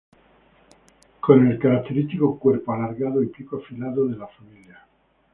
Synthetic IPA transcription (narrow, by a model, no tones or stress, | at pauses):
ko̞ne̞lkaɾak̚t̪e̞ɾist̪ikokweɾpoalaɾɣaðoipikoafilaðoðelafamilja